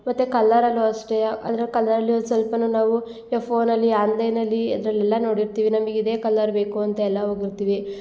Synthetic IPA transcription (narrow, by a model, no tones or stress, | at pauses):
mɐt̪ːekɐlːɐɾɐlːuɐʂʈejɐʔɐ̰d̪ɐɾekɐlːɐɾɐlːijosɐlpɐnunaːʋu | ɐpʰoːnɐlːiaːnd̪ɐjnɐlːiɐ̰d̪ɐɾɐlɛlːɐno̞ːɽiɾt̪iːʋinɐmɐɡeid̪e̞ːkɐlːɐɾbe̞ːkuɐnt̪ɐɛlːɐɦoːɡiɾt̪iːʋi